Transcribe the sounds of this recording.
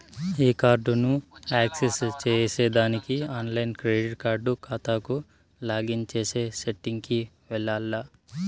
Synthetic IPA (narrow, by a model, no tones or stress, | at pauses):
iːkaːɾɖunuaːksest͡ʃeːseːd̪aːnikiaːnlɐjnkɾeːɖiʈkaːɾɖukaːt̪aːku | laːɡint͡ʃeːse̞ːseʈːiŋɡki | ʋɛɭːaːlːa